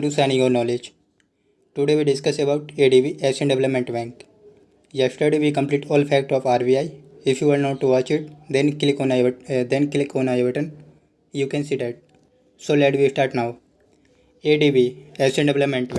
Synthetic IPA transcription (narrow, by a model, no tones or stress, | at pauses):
ʈusɛ̃niɡoːnɔːled͡ʒ | ʈuɖeːʋiɖɪskəsebaʊʈeɖiʋiʔɛsẽɳɖɛʋɛləpmẽɳʈbɛ̃ŋk | jɛsʈəɾɖeʋikə̃mpliːʈɔːlfʰɛk̚ʈɔːfaːɾbiaɪɪfʰjuːʋaɾnoːʈuʋɔːt͡ʃɪʈd̪ɛ̃nklikoːnad̪ɛ̃nklikõːnaeʋəʈə̃n | juːkɛ̃nsiːd̪ɛʈ̚ | soːlɛʈʋisʈaːɾʈnaʊ | eːɖiʋiɛsẽɳɖɛʋɛləpmẽɳʈb̃